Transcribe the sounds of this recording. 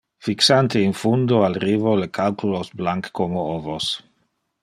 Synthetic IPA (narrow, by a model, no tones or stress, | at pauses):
fiksant̪einfund̪oalɾivolekalkulosblaŋkkːomoovos